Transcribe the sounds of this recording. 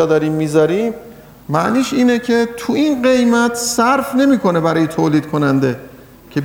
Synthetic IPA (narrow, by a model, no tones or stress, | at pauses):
ɒd̪ɒɾimːiːzɒɾiːm | mæʔniːʃiːnecʰe̞t̪ʰuinɢe̞jmæt̪ʰsæɾfne̞miːkʰo̞ne̞bæɾɒːjet̪ʰoːliːd̪̚kʰonænd̪e̞ | cʰe̞b